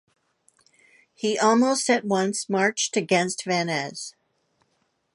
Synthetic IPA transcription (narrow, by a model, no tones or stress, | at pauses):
hiʔɔlˠmoʊstɨt̚wʌ̃nsmɑɹt͡ʃtɨɡɛ̃nstvænɛz̥